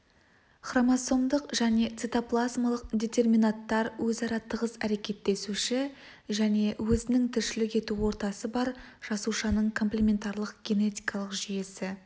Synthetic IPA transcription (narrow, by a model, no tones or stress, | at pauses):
χramaso̞md̪əqʒ̥æne̞t̪sit̪oplˠazmalˠəq̚d̪ʲe̞t̪e̞rminat̪ːɑɾwɵzɑɾɑt̪ʰəʁəzæɾe̞kʲe̞t̪ːe̞suʃɪ | ʒæne̞wɵzɪnɪŋt̪ʰʏɾʃɪlɪke̞t̪uwo̞ɾt̪ɑsəbɑɾʒ̥ɑsuʃɑnəɴkʰo̞mplʲemʲe̞nt̪ɑɾlˠəq̚ɡʲe̞ne̞t̪ʲijkɑlˠəqʒije̞sɪ